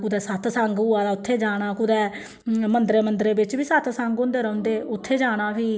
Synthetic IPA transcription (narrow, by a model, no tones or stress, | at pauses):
kʊd̪ɛːsət̪səŋɡʊaːd̪aːʊt̪ʰːeːd͡ʒaːɽ̃aːkʊd̪ɛː | mənd̪ɾeːmənd̪ɾeːbɪt͡ʃbiːsət̪ʰsəŋɡõnd̪eːɾə̃nd̪eːʔʊt̪ʰːeːd͡ʒaːɽ̃aːbiː